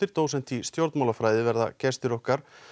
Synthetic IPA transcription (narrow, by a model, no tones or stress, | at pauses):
ɪɾ̥t̪oːwsɛn̥t̪ist̪jowɾt̪nmawlafɾaːjðɪvɛɾða̰cɛst̪ɪɾɔhkaɾ̥